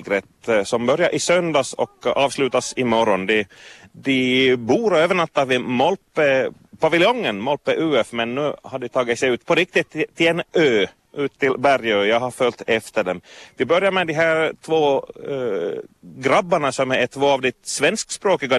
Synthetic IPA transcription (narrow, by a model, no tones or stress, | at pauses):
ɡɾɛt̪sɔmbœɾjaʔɪsœnd̪ɑsɔ̰kɑːvslʉːt̪asɪmɔɾɔnd̪ɪd̪ɪbuːɾøːvəɳat̪ːɑvɪmɔlpə | pavɪlɪjɔŋːənmɔlpəʔʉːɛfmɛnːʉːhaɖɪt̪ʰɑːɡɪt̪sɛjʉːt̪pʰɔɾɪk̚t̪ɪt̪ʰːɪɛnøː | ʔʉːt̪ːɪlbæɾjøːjɑɡhaɾfœlt̪ɛft̪əɖɛmd̪ɪbœɾjaɾmɛd̪ɪɦæːɾt̪ʰvoː | ɡɾabːaɳasɔmɛt̪ʰvoːɑvd̪ɪt̪svɛnskspɾoːkɪɡa